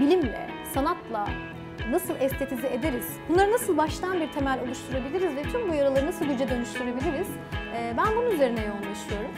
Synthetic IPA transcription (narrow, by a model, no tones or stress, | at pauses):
bilʲimlʲɛ̰ | sanat̪lˠa | nasɯlˠʔɛst̪ʰet̪ʰizie̞d̪eɾiz̥bunˠaɾɯnasɯlˠbaʃlˠaanbiɾt̪ʰe̞mælʲo̞lˠuʃt̪ʰuɾabilʲiɾizvɛt̪ʰymbujaɾalˠaɾɯnasɯlˠɟyd͡ʒɛd̪ø̞nyʃt̪ʰyɾebilʲiɾiz̥ | ɛːbænbununyze̞ɾinɛjo̞unlˠaʃɯjo̞ɾum